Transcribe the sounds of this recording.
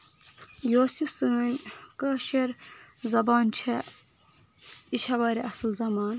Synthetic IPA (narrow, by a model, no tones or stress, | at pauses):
joːsisɨnʲkɐʃeɾzɐbaːnt͡ʃʰɐ | iʃʰɐbɐɾʲiʔɐslzɐmaːn